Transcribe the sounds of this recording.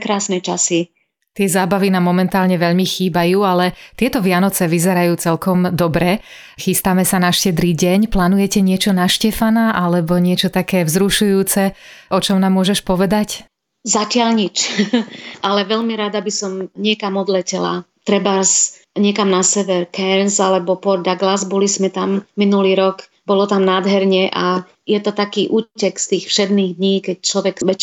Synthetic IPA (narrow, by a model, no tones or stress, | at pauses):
kɾaːsnɛt͡ʃasi | t̪ɪɛzaːbaʋinaːmːɔmɛnt̪aːlɲɛʋɛʎmixiːbajuːalɛt̪ɪɛt̪ɔʋɪanɔt͡sɛʋizɛɾajuːt͡sɛʎkɔmd̪ɔbɾɛ | xist̪aːmɛsanaʃcɛd̪ɾiːɟɛɲplaːnujɛcɛɲɪɛt͡ʃɔnaʃcɛfanaʔalɛbɔɲɪɛt͡ʃɔt̪akɛːzɾuʃujuːt͡sɛɔt͡ʃɔmnaːmːʊɔʒɛʃpɔʋɛd̪ac | zacɪalɲit͡ʃ | ʔalɛʋɛʎmiɾad̪abisɔmɲɪɛkamɔd̪lɛcɛla̰t̪ɾɛbas | ɲɪɛkamnasɛʋɛɾkɛnzalɛbɔpɔɾd̪aɡlazbɔlizmɛt̪amːinuliːɾɔk | bɔlɔt̪amnaːd̪ɦɛɾɲɛʔa | jɛt̪ɔt̪akiːʔuːcɛkst̪iːxfʃɛd̪niːɣd̪ɲiːkɛc̚t͡ʃlɔʋɛkʋɛc